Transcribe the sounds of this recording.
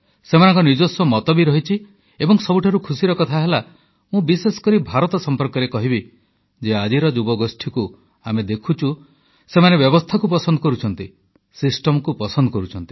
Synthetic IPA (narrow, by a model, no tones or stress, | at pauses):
semanɔ̃ŋkɔniɾd͡ʒosɔmɔt̪ɔbiɾɔɦit͡ʃʰi | ebɔŋsɔbuʈʰaɾukʰusiɾɔkɔt̪ʰaɦela | mũbisesɔ̥kɔɾibʱaɾɔt̪ɔsɔmpɔɾkɔɾekɔɦibi | d͡ʒead͡ʒiɾɔd͡ʒubɔɡosʈʰiku | amed̪ekʰut͡ʃʰu | semanebjɔbɔst̪ʰakup̬ɔsɔnd̪ɔkɔɾut͡ʃʰɔnt̪i | sisʈɔmɔkupɔsɔnd̪ɔkɔɾut͡ʃʰɔnt̪i̥